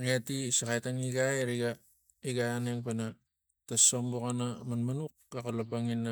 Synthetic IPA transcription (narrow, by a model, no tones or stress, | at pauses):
ŋiatisakajtaŋiɡajɾiɡa | iɡajaneŋpana | tasombokanamanmanuk̚ːakalabaŋinːa